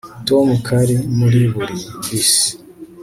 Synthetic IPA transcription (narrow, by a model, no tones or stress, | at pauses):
tomukʰaɾimuɾiβuɾibis